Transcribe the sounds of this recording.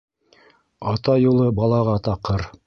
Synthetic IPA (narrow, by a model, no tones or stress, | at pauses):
ɑt̪ɑjulˠɤbɑlˠɑʁɑt̪ɑqːɤɾ